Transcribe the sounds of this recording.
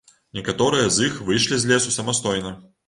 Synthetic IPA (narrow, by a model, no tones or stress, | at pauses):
nʲɛkat̪ɔɾɨjɐzixvɨjʂlʲizʲlʲɛsusɐmast̪ɔjnɐ